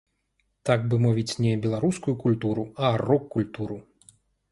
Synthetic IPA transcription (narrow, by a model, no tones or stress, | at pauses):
t̪aɡbɨmɔvʲit͡sʲnʲɛbʲɛlˠaɾuskujukulʲt̪uɾuarɔkːulʲt̪uɾu